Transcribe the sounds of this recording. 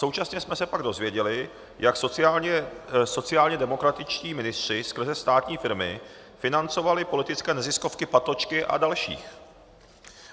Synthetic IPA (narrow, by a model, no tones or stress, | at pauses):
so̞wt͡ʃasɲɛsmɛsɛpaɡdo̞zvjɛɟɛlɪ | jaks | so̞t͡sɪaːlɲɛdɛmo̞kɾat̪ɪt͡ʃciːmɪnɪst̪r̝̥ɪskr̩zɛst̪aːt̪ɲiːfɪɾmɪ̰ | fɪnant͡so̞valɪpo̞lɪt̪ɪt͡skɛːnɛzɪsko̞fkɪpat̪lot͡ʃkɪʔa̰dalʃḭːx